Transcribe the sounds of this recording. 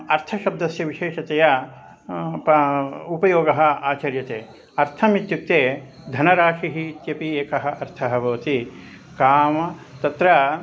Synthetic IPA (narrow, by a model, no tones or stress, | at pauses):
ɐɾt̪ʰɐʃɐb̚d̪ɐsjɐʋiʃeːʂɐt̪ejɐ | pupɐjoːɡɐɦɐ̆aːt͡ʃɐɾjɐt̪eː | ɐɾt̪ʰɐmit̪juk̚t̪eː | d̪ʱɐnɐɾaːʂiɦit̪jɐpieːkɐɦɐ̆ʔɐɾt̪ʰɐɦɐbɐʋɐt̪i | kaːmɐt̪ɐt̪ɾɐ